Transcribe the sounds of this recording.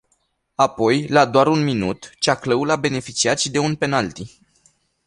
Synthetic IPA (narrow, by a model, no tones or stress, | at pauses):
apo̞jlad̪oaɾunminṵt̪t͡ʃakləulabe̞ne̞fit͡ʃiat̪ʃid̪e̞unpe̞nalt̪i